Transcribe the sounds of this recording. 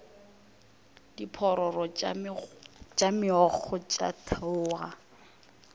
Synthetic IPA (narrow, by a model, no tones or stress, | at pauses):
d̥ipʰɔɾɔrɔ | t͡ʃʼamɪɔk͡xʰɔt͡ʃʼa̰tʰaʊːɣa